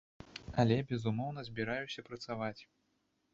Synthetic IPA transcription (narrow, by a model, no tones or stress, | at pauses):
ɐlʲɛbʲɛzumɔwn̪ɐzʲbʲiɾajusʲɐpɾɐt̪savat͡sʲ